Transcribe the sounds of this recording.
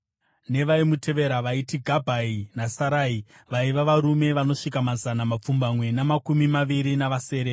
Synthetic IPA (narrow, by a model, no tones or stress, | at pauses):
ne̞ʋaimutʰe̞ʋe̞ɾaʋaitiɡʱabʱainasaɾaːi | ʋaiʋaʋaɾume̞ʋano̞ʂikamazanamap͡fumbamwe̞namakumimaʋiɾinaʋase̞ːɾe